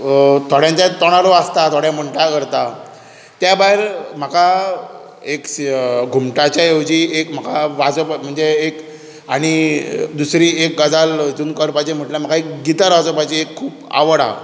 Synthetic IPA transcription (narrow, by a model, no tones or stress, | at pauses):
t̪ʰoɽjãɲt͡ɕat̪ɔɽ̃aɾoast̪at̪ʰoɽjãm̤əɳʈakəɾt̪a | t̪jabaeɾm̤aka | ekɡʱumʈat͡ɕjaewd͡ʑiekm̤akʰaʋad͡zəpm̤əɳd͡zeːk | aɽ̃id̪usɾiek̚ɡad͡zald͡zunkəɾpat͡ɕem̤əʈljam̤akaekɡit̪aɾʋad͡zəpat͡ɕiekʰːuːpa̰ʋəɽa̰